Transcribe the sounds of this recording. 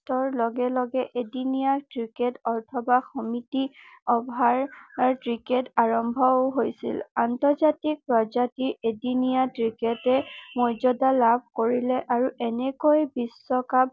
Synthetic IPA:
tɔɹlɔɡɛlɔɡɛʔedinijatɹiketɔtʰɔbaxɔmitiɔbʱaɹtɹiketaɹɔmbʱɔwɦojsḭlantɔɹzatik̚pɹɔzatiɹedinijatɹiketɛmɔjzɔdalabʱkoɹilɛʔaɹuʔɛnɛkojbisːɔkab̚

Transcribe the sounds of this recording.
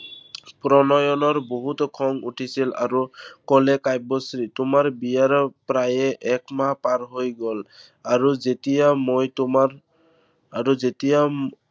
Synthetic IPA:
pɾɔnɔjɔnɔɹboɦut̪ɔkʰɔŋuʈʰisila̰ɹukɔlɛkajbɔsɾitʊmaɹbijaɹɔpɾajɛʔɛkmapaɹɦojɡɔl | aɹuzet̪ijamojtumaɹ | aɹuzetija

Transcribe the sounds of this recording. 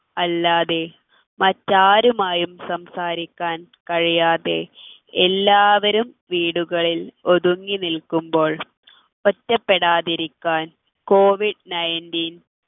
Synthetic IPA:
ɐlːaːðe̞ | mɐtːaːɾumaːjumsɐmsaːɾikʲːaːnkɐɻijaːðe̞ | elːaːʋɐɾumʋiːɽuɣɐɭilo̞ðuŋːinilkːumbo̞ːɭ | otːɐpːeɽaːðiɾikʲːaːn | ko̞ːʋiɖnɐjndin

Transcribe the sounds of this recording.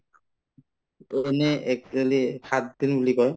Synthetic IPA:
enɛɛk̚elixat̚d̪inbulikɔj

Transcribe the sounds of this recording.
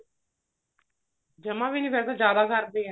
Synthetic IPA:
d͡ʒəmãːbiːniːpeːɾt̪ad͡ʒjaːd̪aːkəɾd̪eː

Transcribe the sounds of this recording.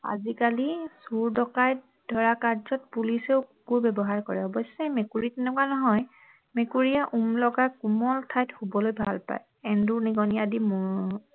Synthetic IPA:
a̰zikalisuɹdɔkaj | dʱɔɹakaɹzɔt̚puliseʊkubɛbɔɦaɹkɔɹɛɔbɔjsːɛmekuɹitɛnɛkwanɔɦɔj | mekuɹiaʔumlɔɡakumɔltʰajthubɔlojbʱa̰lpa̰j | ɛnduɹniɡɔnijadim

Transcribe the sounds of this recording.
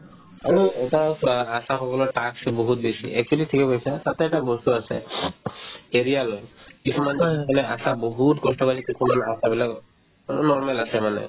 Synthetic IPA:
aɹiɛʈaasaxɔkɔlɔɹʈaksboɦut̚besḭɛk̚t͡ʃualitʰikɛpaisat̪at̪ɛɛʈabɔstuasɛ̰ | eɹijalojkisʰumand͡ʒianɛasaboɦutɡɔstɔkalikisʰumanasabilak | nɔɹmɛlasɛmanɛ̰

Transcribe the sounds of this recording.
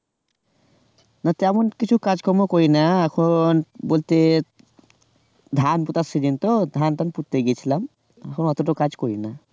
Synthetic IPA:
nat̪ɛmonkit͡ɕʰukad͡ʑkɔmokoɾinaɛkʰonbolt̪e | d̪ʱanput̪asid͡ʑint̪od̪ʱant̪anput̪ːeɡiet͡ɕʰilam | ɛkʰonɔt̪oʈokad͡ʑkoɾina

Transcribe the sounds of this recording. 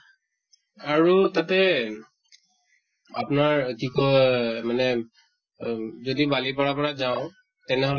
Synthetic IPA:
aɹutatɛ | apnaɹkikɔmanɛ | zodibalipɔɹapɔɹazaʊ̃ | tɛnɛɦɔl

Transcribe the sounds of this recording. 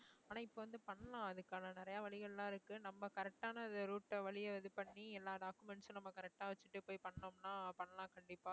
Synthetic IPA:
aːnaːɪpːoːʋɐnd̪ɯpɐɳːɐlãːɐðɯkːaːnɐnɪɾɐjaːʋɐɭɪɣɐɭlãːɪɾɯkːɯnɐmːɐkɐɾɛk̚ʈaːnɐɐnd̪ɐɾuːʈːɐʋɐɭɪjɐʋɐðɯpɐɳːiɛlːaːɖaːkːɯmɛnsɔ̃nɐmːɐkɐɾɛk̚ʈaːʋɐt͡ʃːɯʈːɯpoːjpɐɳːɐnomnaːpɐɳːɐlãːkɐɳɖɪpːaː

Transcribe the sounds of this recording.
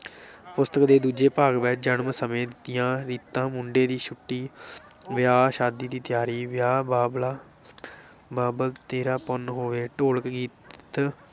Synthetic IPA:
pʊst̪əkd̪eːd̪uːd͡ʒeːpaːɡʋɛːt͡ʃd͡ʒəɳmsəmẽːd̪t̪ɪjãːɾiːt̪ːãːmʊɳɖeːd̪iːʃʰʊʈːiː | ʋɪjaːʃaːd̪iːd̪iːt̪ɪjaːɾiːʋɪjaːbaːblaː | baːbəlt̪eːɾaːpɔnɦoːʋeːʈoːləkɡiːtt̪

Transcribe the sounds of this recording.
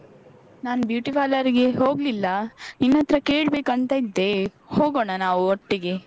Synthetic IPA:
naːnbjuːʈipʰaːlɐɾiɡeɦoːɡlilːɐninːɐt̪ɾɐke̞ːɭbe̞ːkɐnt̪ɐid̪ːe̞ | hoːɡoːɳɐnaːʋuoʈːiɡe̞

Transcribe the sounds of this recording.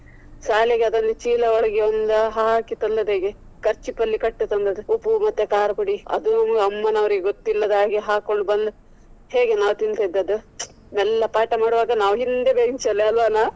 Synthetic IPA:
saːleɡeɐd̪ɐnːɐt͡ʃiːlɐɔɭɐɡeond̪ɐɦaːkit̪ɐlːɐd̪eːɡe | kɐɾt͡ʃipːɐlːikɐʈːut̪ɐnd̪ɐd̪uupːumɐt̪ːekaːɾɐkuɽiɐ̰d̪unɐmɐɡɐmːɐnɐʋɐɾiɡeɡot̪ːilːɐd̪aːɡiɦaːkoɭɖbɐnd̪u | heːɡenaːʋt̪insed̪ːɐd̪u | nɛlːɐpaːʈɐmaːɽuʋaːɡɐnaːʋɦind̪ebeːɡiɲt͡ʃɐlːeɐlʋɐnaː

